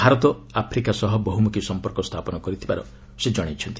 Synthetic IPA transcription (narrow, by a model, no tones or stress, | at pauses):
bʱaɾɔt̪ɔapʰɾikasɔɦɔbɔɦumukisɔmpɔɾkɔst̪ʰapɔnɔkɔɾit̪ʰiba̰ɾɔ | sed͡ʒɔɽ̃et͡ʃʰɔnt̪i̥